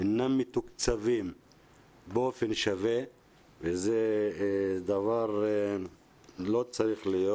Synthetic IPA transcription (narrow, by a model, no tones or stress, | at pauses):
enamːit̪ukt͡savim | beo̞fenʃave | veze | d̪avaʁ | lo̞t͡saɾiχlijo